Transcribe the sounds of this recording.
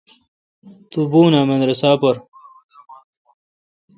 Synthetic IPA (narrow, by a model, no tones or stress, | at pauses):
t̪ubuːnaːmɐnɾɐsaːpɐɾ